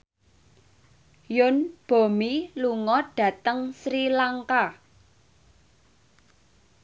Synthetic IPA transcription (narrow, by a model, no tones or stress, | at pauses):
jʊnb̥o̤miluŋɔɖ̥ä̤t̪əŋsɾilaŋka